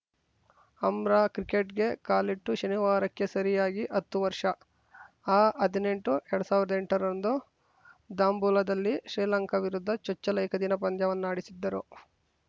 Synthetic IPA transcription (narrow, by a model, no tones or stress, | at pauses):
ɐmɾaːkɾike̞ʈɡe̞kaːliʈːuʃɐniʋaːɾɐkːe̞sɐɾijaːɡiʔɐt̪ːuʋɐɾʂɐ | aːɐd̪ine̞ɳʈuʔɛɾɐɽusaːʋiɾɐd̪eɳʈɐɾɐnd̪u | d̪aːmbulɐd̪ɐlːiʃɾiːlɐŋkɐʋiɾud̪ʱːɐt͡ʃɔt͡ʃːɐlɐjkʰɐd̪inɐpɐnd̪jɐʋɐnːaːɽisid̪ːɐɾu